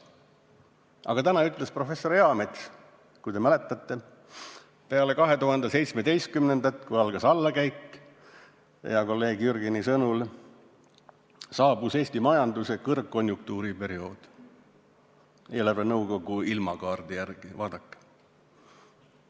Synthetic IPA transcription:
ɑ̰ɡ̥ɑt̪ænɑyt̪ˑle̞spro̞fe̞sːo̞ɾjɑmet̪s | kujt̪emæle̞t̪ːˑɑt̪ˑːe̞ | pe̞ɑle̞kɑɦe̞t̪uɦɑnd̪̥ese̞jt̪sme̞d̪e̞jst̪̚kymnend̪ɑt̪kujɑlɡ̥ɑsɑlːɑkæjkːˑ | jɑko̞lːe̞ːɡ̥jyrɡinisɤnul | sɑːbuse̞ːst̪imɑjɑnd̪use̞kɤrɡkːo̞nʲjuŋk̚t̪uːɾipe̞ɾio̞ːd̪̥ | elævenɤwko̞ɡ̥uilmɑkɑːrd̪̥ijærɡ̥ivɑːd̪ɑkːˑe̥

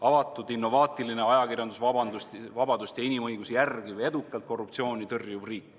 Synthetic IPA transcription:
ɑvɑt̪ːˑud̪inːo̞vɑːt̪ˑiline̞ɑjɑkirjɑnd̪usvɑbɑd̪ust̪vɑbɑd̪̥usʲt̪jɑinʲimɤjɡ̥usijærɡ̥ive̞d̪ukːˑɑlt̪ko̞rːup̚t̪sio̞ːnʲit̪ɤrjuvriːkːˑ

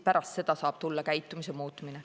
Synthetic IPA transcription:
pæɾʔɑst̪se̞d̪̥ɑsɑːb̥̚t̪ulːɑkæjt̪ːumisemuːt̪ːˑmine

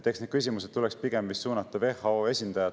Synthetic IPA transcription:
t̪eksned̪̥̚kys̬ʲimuset̪t̪ːulɛkspiɡ̥emvist̪suːnɑt̪ːˑɑve̞hɑoe̞sʲind̪̥ɑjɑ

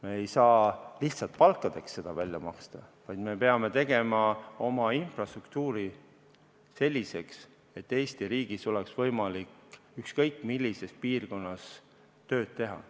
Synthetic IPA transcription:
meejsɑːliht̪sɑlt̪̚pɑlkːˑɑd̪̥e̞ksːe̞d̪̥ɑvælʲjɑ̰mɑ̰kst̪ɑvɑjd̪̥me̞pe̞ɑme̞t̪e̞ɡ̥e̞mɑo̞mɑinfrɑst̪ruk̚t̪uːɾi | se̞lʲːise̞ks | e̞t̪ːe̞ːst̪iɾiːɡ̥iso̞leksvɤjmɑlikykskɤjkːˑmilʲːise̞spiːrko̞nːɑs | t̪ø̞ːd̪̥̚t̪e̞ɦɑ̰

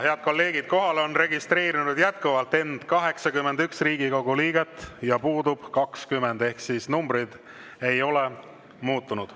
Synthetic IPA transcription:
he̞ɑd̪̥ko̞lːe̞ːɡ̥id̪̥̚ko̞ɦɑlo̞nre̞ɡist̪ɾe̞ːɾinud̪jæt̪kuvɑlt̪ːe̞nd̪̥kɑɦe̞ksɑkyme̞nd̪yksriːɡ̥iko̞ɡ̥uliːɡ̥e̞t̪ːˑjɑpuːd̪ub̥kɑkskyme̞nd̪e̞hksisnumbrid̪̥ | e̞jo̞le̞ | muːt̪ːˑunud̪̥

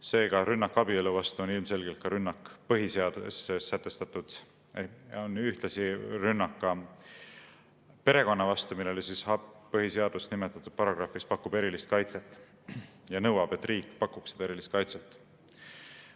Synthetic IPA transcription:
se̞ːɡ̥ɑɾynːɑkːˑɑbieluvɑst̪uonilmse̞lɡ̥e̞lt̪kɑɾynːɑkːˑpɤɦiseɑd̪̥usesæt̪ːˑe̞st̪ɑt̪ːˑud̪̥ | onyht̪lɑsiɾynːɑkːˑɑ | pe̞ɾe̞ko̞nːɑvɑst̪umilːe̞lisisɑpɤɦiseɑd̪usnimet̪ːˑɑt̪ːˑud̥̪̚pɑɾɑɡ̥rɑfispɑkːˑub̥e̞ɾilist̪kɑjt̪se̞t̪ˑː | jɑnɤwɑb̥e̞t̪ːriːkːpɑkːˑuksi̥d̪̥e̞ɾilist̪̚kɑjt̪set̪ːˑ

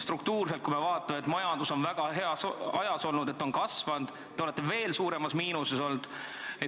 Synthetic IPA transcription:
st̪rukt̪uːrs̬e̞lt̪̚kujme̞vɑːt̪ːˑɑmeet̪ˑmɑjɑnd̪̥uso̞nvæɡ̥ɑɦe̞ɑsɑjɑso̞lnud̪e̞t̪ːo̞nkɑsvɑnd̪̥ | t̪eole̞t̪ːˑe̞ve̞ːlsuːɾe̞mɑsmiːnuseso̞ld̪̥e

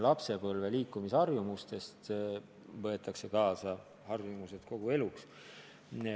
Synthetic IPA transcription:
lɑpse̞pɤlve̞liːkːˑumisɑrjumust̪e̞st̪ | vɤ̞e̞t̪ːˑɑkse̞kɑːsɑ | hɑrjumuse̞d̪̥ko̞ɡ̥ue̞luks

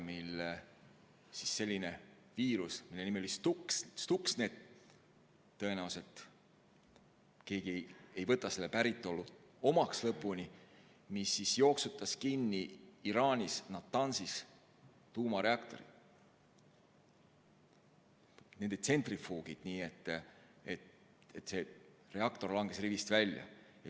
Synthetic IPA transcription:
mile | sisːe̞lʲːine̞ | viːɾusmilːe̞nimelolist̪uksst̪uksne̞ːd̪̥̚ | ɤ̞e̞næwse̞lt̪ | ke̞ːɡiejvɤt̪ːˑɑse̞lːepæɾit̪ːˑo̞lːuo̞mɑkslɤpːˑunʲi | misːisjo̞ːksut̪ːˑɑskinːiːɾɑːnʲisnɑt̪ːɑnsis | t̪uːmɑɾe̞ɑkt̪o̞̰ɾḭ̥ | ne̞nd̪et̪se̞nt̪rifuːɡ̥id̪̥niːe̞t̪ːˑet̪ | et̪ːse̞re̞ɑkt̪o̞rlɑŋɡ̥e̞srivist̪vælʲjɑ̰jɑ

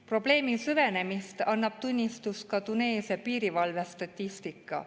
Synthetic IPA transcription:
pro̞ble̞ːmisyve̞ne̞mist̪ɑnːɑb̥t̪unʲːist̪uskɑt̪une̞ːsɑpiːɾivɑlve̞st̪ɑt̪ʲːist̪ikːˑɑ̰

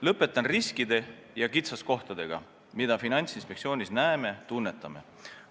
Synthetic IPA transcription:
lɤpːˑe̞t̪ːˑɑnriskid̪̥e̞ | jɑkit̪sɑsko̞ht̪ɑd̪̥e̞ɡ̥ɑ̰ | mid̪̥ɑfinɑnʲt̪sinspek̪̚sio̞ːnʲisnæeme̞t̪unːe̞t̪ˑːɑme̞̰

